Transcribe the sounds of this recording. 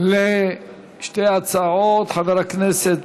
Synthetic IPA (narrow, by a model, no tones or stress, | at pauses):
le | ʃtejat͡saʕot̪ħaveɾakneset̪